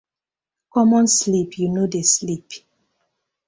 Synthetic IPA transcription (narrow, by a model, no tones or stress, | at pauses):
kɔmɔ̃nslipʰjunodeslip